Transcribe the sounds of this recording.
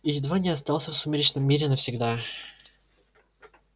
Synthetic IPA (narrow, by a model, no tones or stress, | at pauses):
id̪vanʲiɐs̬t̪alˠsəfsʊmʲiɾʲit͡ʃnəmːʲiɾʲɛnɐfsʲiɡd̪a